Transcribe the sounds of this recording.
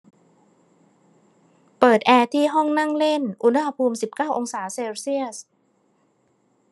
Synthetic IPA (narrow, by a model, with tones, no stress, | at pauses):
pɤː˨˩t̪̚ʔɛː˧t̪ʰiː˥˩ɦɔ˥˩ŋna˥˩ŋle˥˩nʔu˧˥˩n˧˥˩ha˧pʰuː˧msi˨˩p̚kaː˥˩wʔo˧ŋsaː˩˦seː˧wsi˥˩əs